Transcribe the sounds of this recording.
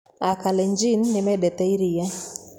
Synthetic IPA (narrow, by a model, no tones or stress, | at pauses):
akaleɲd͡ʒinːɪmɛdɛt̪eiɾija